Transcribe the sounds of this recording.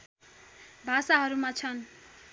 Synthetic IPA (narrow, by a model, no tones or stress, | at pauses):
bʱasaɦʌɾumat͡sʰʌn